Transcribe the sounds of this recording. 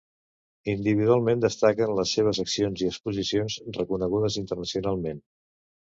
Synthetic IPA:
ind̪iβiðualˠmẽnd̪əst̪akənləsːeβ̞əzəksionziəkspuzisionzrəkunəɣ̞uðəzint̪ərnəsiunalˠmen

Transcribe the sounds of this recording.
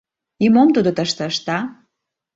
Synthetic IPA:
imomt̪ud̪ot̪əʃt̪ə̆əʃt̪ɑ

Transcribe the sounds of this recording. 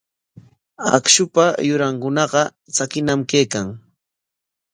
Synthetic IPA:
a̰kʃʊpajʊɾaŋkʊnɑɢɑ | t͡sakɪnamkejkaŋ

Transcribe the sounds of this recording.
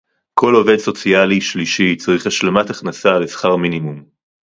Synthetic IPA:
kʰo̞lo̞ve̞d̪so̞t͡sialiʃliʃit͡saʁiχhaʃlamat̪aχnasalesχaʁminimum

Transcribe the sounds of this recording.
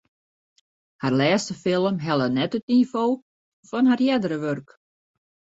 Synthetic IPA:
harlɛːstəfɪlˠəmɦɛlˠənɛtətniv̥oː | fɔnɦarjɛdəɾəʋørk

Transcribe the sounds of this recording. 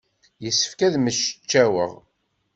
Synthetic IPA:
jəsːə̥fkæðməʃə̥t͡ʃːæwə̰ʁ

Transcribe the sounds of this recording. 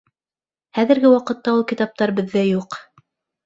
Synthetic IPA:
χæðɘ̆ɾɡɘwɑqɤ̆t̪ːɑulˠkʲit̪ɑp̚t̪ɑɾbɘ̆ðːæjuq

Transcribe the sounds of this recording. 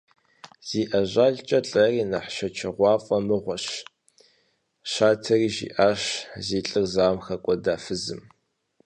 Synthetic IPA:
z̥iːʔɐʑʷaːɮt͡ʃʼɐɬʼɐriːnɐħʃɐt͡ʃʰɐʁʷɑːfʼɐmɨʁʷɔɕ | ʃaːtʰɐriːʒḭʔaːɕziːɬʼɨrzaːmxɐkʷʼɔdaːfɨzɨm

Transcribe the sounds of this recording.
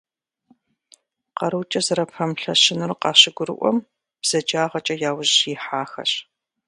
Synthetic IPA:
qɐɾɨwt͡ʃʼɐzɨɾɐpʰɐmɬɐɕɪnɨrqɑːɕɪɡʷʊɾɨ̰ʔʷɔ̰m | b̥z̥ɐd͡ʒaːʁɐt͡ʃʼɐjaːwʊʑiːħaːxɐ̰ɕ

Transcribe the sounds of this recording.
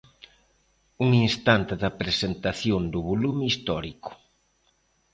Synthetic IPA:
uŋinst̪ant̪ɪðɐpɾesent̪aθjond̪ʊβolumist̪ɔɾikʊ̥

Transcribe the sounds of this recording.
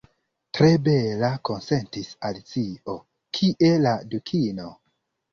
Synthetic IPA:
tɾe̞be̞lako̞nse̞ntisalit͡sio̞ | kʰiʔe̞ladukʰino̞

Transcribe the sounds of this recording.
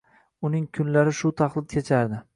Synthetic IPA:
ʊnɪŋkʰʊnlaɾɪʃʊt̪ʰaχlˠɪd̪̚kʰʲet͡ʃʰaɾd̪ɪ

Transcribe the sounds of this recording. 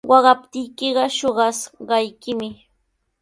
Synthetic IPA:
wɑɢɑp̚t̪ɪjkɪɢɑʃoɢɑsɢɑjkɪmɪ

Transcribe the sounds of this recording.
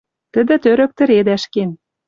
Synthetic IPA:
t̪ə̆d̪ɘ̆t̪øɾø̆k̚t̪ə̆ɾed̪æʃken

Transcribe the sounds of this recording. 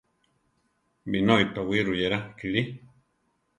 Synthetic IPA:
minoit̪owiɾujeɾakiɾi

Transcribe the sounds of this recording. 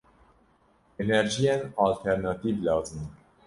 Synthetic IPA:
enɛɾʒijenɑːlt̪ʰɛɾnɑt̪iːvlɑːzɨn

